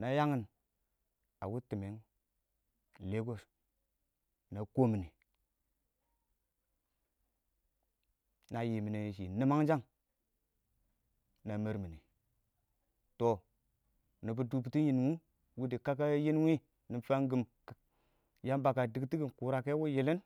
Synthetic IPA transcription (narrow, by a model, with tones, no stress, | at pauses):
na˨ja˦ŋi˨n | a̰˨wu˦ti˨me˨˦ŋ | le˦ɡo˦s | na˨ko˦mi˨ni˨ | na˨ji˨mi˨na˨i˨ʃ̬i˨ni˦ma˦ŋd͡ʒa˦ŋ | na˨me˨ɾmi˨ni˨ | to˨ | nu˨bu˨du˨b̬ti˦ji˨n˨wu˦ | wu˦di˨ka˦k̬a˦ji˦n˦wi˦ | ni˨fa˦ŋɡi˨m˨ | ja˦mba˨ka˨di˨kti˦ɡi˦nku˨ɾa˨ke˦wo˦je˨le˦n